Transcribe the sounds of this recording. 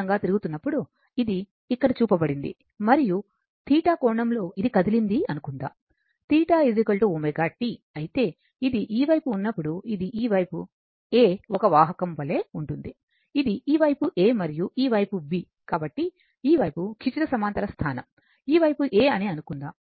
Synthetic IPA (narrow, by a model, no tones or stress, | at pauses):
ɐŋɡaːt̪iɾuɡut̪unːɐpːuɽu | id̪iː | kːɐɽɐt͡ʃuːpɐbɐɽind̪ḭ | mɐɾiju | t̪iːʈaːkɔːɳɐmlo̞ːid̪ikɐd̪ilind̪iɐnukund̪a̰ː | t̪iːʈaːizikɐlʈoːumɐɡaːʈːi | ɐjit̪e̞ː | id̪iʔiːʋɐjpuːnːɐpːuɽuid̪iʔiːʋɐjpu | eːɔkɐʋaːɦɐkɐmʋɐle̞ːuɳʈund̪i | id̪iʔiːʋɐjpuʔe̞ːmɐɾijuʔiːʋɐjpuʋi | kaːbɐʈːi | iːʋɐjpukʰit͡ʃiɾɐsɐmaːnt̪ɐɾɐst̪ʰaːnɐ̰m | iːʋɐjpuʔeːɐniɐnukund̪aː